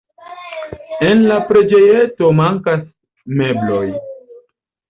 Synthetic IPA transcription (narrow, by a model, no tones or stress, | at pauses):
e̞nlapɾe̞d͡ʒe̞je̞to̞maŋkas | me̞blo̞j